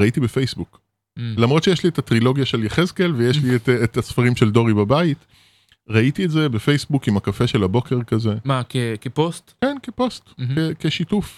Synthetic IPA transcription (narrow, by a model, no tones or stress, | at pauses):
aitibefejsbuk | lamʁotʃejeʃlietatʁilo̞ɡjaʃeljeχezkelvejeʃlietetasfaʁimʃeldo̞ʁibabait | ʁaitietze̞befe̞jsbukimakafe̞ʃe̞lhabo̞ke̞ʁkaze̞makekepostkenkepo̞stkekeʃituf